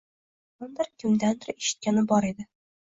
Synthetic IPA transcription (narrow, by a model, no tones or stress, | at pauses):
ʊnd̪ɪɾkʲʰɪmd̪and̪ɪɾeʃɪ̥t̪̚kʲanɪbɒɾed̪ɪ